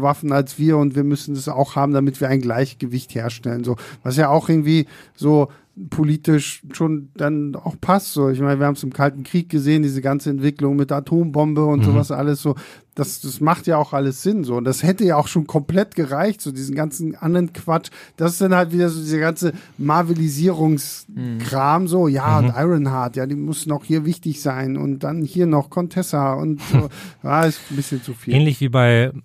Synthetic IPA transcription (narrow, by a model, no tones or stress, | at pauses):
vafn̩alsv̥iːɐʊntv̥iːɐmʏsn̩dasa̰ʊxhaːbm̩damɪtv̥iːɐaɪnɡlaɪçɡ̥əvɪçtheːɐʃtɛlənzoːvas̬jaːaʊxʔɪɐɡŋ̩tv̥iːzoː | pʰoliːtɪʃʃoːnd̥ana̰ʊxpʰastz̥oːɪçmaɪnəviːɐhabmsɪmkʰaltn̩kʁ̥iːk̚ɡ̥əzeːəndiːzəɡant͡səɛntv̥ɪklʊŋmɪtatʰoːmbɔmbəʊntz̥oːvasʔa̰ləsz̥oː | d̥asd̥asmaχtjaːaʊxʔaləsz̥ɪnzoːʊntd̥ashɛtəjaːaʊxʃoːnkʰɔmplɛtɡ̥əʁaɪçtz̥oːdiːzn̩ɡant͡sn̩ʔandəʁənkv̥at͡ʃd̥asɪ̥sd̥anhaltv̥iːdɐzoːdiːzɐɡant͡səmaɐviliziːʁʊŋskʁ̥aːmzoːjaːʊntʔaɪʁənɦaɐtjaːdiːmʊsn̩aʊhiːɐvɪçtɪçz̥aɪnʊ̰nt̚d̥anhiːɐnɔχkʰɔntʰɛsaʊ̰ntz̥oːjaːɪstn̩bɪsçənt͡sufiːɛːnlɪçv̥iːbaɪ